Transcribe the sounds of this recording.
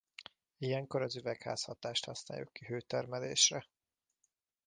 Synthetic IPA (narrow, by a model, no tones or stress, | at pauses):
ijɛŋko̞ɾɒzyvɛkha̰ːshɒt̪aːʃt̪hɒsna̰ːjukːiɦøːt̪ɛrmɛlḛːʃrɛ